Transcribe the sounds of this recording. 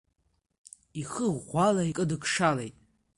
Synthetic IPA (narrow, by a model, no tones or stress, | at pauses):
iχəʁʷalaikʼɨdɨkʰʂalejtʼ